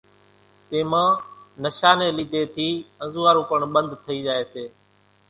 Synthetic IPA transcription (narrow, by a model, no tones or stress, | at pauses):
t̪eːmãːnəʃaːnẽːliːd̪ʱeːt̪ʰiːə̃zuːaːɾũːkoːɳɓə̃nd̪ʱt̪ʰəiːd͡ʒaːeːseː